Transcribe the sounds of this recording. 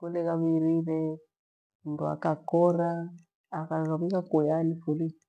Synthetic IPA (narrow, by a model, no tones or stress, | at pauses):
kulɛkaβiɾiɾɛ | undua̰kakɔɾaː | kazaβikakujanifuli